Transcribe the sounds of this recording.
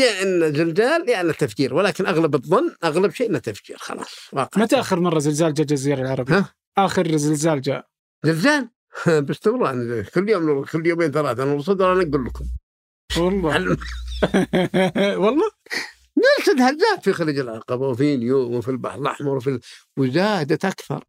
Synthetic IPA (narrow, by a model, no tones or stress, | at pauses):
jaʔɪnːazɪlzaːljaʕnat̪ːafd͡ʒiːɾwɪlaːkɪnʔaɣlabɨðˤːɑnːʔaɣlabʃeːʔɪnːat̪ːafd͡ʒḭːɾxɑ̰lɑ̰ːsˤwɑ̰ːqʕmat̪ʔaxɪɾmɑrˤːɑzɪlzaːld͡ʒad͡ʒaziːɾɑlʕɑɾˤɑbhaː | ʔaːxɪɾzɪlzaːld͡ʒa̰ | zɪlzaːl | bɪst̪ɪmɾɑːʕnzkʊlːjoːmnkʊlːjoːmeːnθalaːt̪anʊɾˤs̬ˤɑd̪ɾˤʔanaɡulːkʊm | ʃwɑlˤːɑʕalːm | wɑlˤːɑː | nɪlsad̪halzaːd̪fixaɾiːd͡ʒɪlʕɑqɑbawfinjoːmfilba̰ħlɑ̰ħmɑɾˤwfiwzaːd̪at̪ʔakθɑ̰ɾˤ